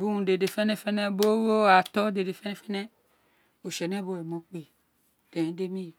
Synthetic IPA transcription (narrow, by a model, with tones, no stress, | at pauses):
bu˦ũ˨de˨de˨fɛ˦nɛ˦fɛ˦ne˦bo˦wo˦a˨tɔ˦de˨de˨fɛ˦n˦fɛ˦nɛ˦ | o˨ʃe˨nɛ˦bo˦e˨mo˦k͡pe˨ | d̥ẽ˨˦de˦mĩ˦˨